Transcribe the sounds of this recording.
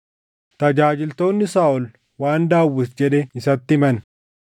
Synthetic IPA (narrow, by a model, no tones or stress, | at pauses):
t̪ɐd͡ʒaːd͡ʒɪlt̪o̞ːnːɪsaːʔɔl | waːnd̪aːwːɪsd͡ʒɛᶑɛɪsɐt̪ːɪmɐn